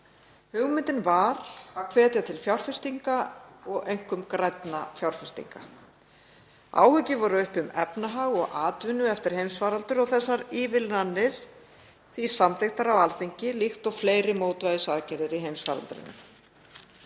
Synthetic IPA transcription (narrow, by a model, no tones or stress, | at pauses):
hʏɣmʏnt̪ɪnvaɾakʰvɛːt̪jat̪ʰɪlfjawɾ̥fɪst̪iŋkaɔɣejŋ̥kʏmkɾajt̪nafjawɾ̥fɪst̪ḭŋka̰ | a̰ːwhʏcɪvɔɾʏʏhpʏmɛpnaɦaɣɔɣʔaːt̪vʏnːʏɛft̪ɪɾ̥hejmsfaːɾalt̪ʏɾɔɣθɛsːaɾiːvɪlnanːɪɾ̥ | θisamθext̪aɾawalθiɲcɪlixt̪ɔɣfleːjɾɪmoːwt̪vajðʏsaːðcɛɾðɪɾiɦejmsfa̰ːɾa̰lt̪ʏɾɪ̰nːʏ̰m